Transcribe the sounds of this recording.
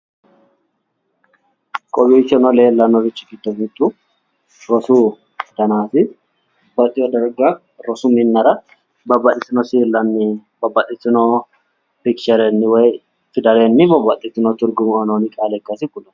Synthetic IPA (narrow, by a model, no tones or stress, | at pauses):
kʼɔbit͡ʃːɔnɔleːlːɐnɔɾɪt͡ʃːɪ̥kɪt̪ːɔmɪt̪ʼːu | ɾɔsuː | t̪ɐnaːfɪ | bɐt̪ʼɪjɔd̪ɐɾɡɐ | ɾɔsʊmɪnːɐɾɐ | bɐbɐtːɪsɪnɔsiːlːɐnːɪbɐbːɐt̪ʼːɪt̪ːɪnɔ | pɪkʃɐɾɛnːɪwɔj | fɪd̪ɐɾenːɪbɐbːɐt̪ʼːɪt̪ːɪnɔt̪ʊɾɡʊmʊɐnonɪkʼaːlɛkːɐsɪkʊlɐ